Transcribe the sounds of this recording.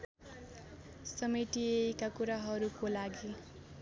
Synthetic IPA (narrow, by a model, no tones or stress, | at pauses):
sʌmiʈiejkakuɾaɦʌɾukolaɡi